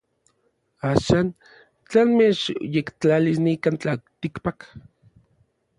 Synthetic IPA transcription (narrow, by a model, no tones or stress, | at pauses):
aːʃan | t͡ɬanmet͡ʃjekt͡ɬalisnikant͡ɬalt̪ikpak